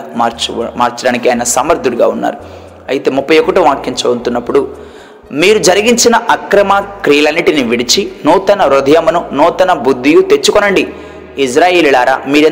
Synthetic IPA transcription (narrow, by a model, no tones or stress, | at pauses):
aːɾt͡ʃmaːɾt͡ʃɐɽaːnikiaːjinɐsaːmɐɾd̪ʱuɽuɡaːunːa̰ːɾu | ɐjit̪e̞ːmupːɐjɔkɐʈuʋaːkːiɲt͡ʃɐunt̪unːɐpːuɽu | miːɾud͡ʒɐɾiɡiɲt͡ʃinɐʔɐkɾɐmakɾijɐlɐnːiʈiniʋiɽit͡ʃinuːt̪ɐnɐɾod̪ʱɐjɐmɐnunuːt̪ɐnɐbud̪ːijut̪e̞t͡ʃːukɔnɐɳɖiː | s̬ɾaːjeːlilaːɾa̰ːmiːɾe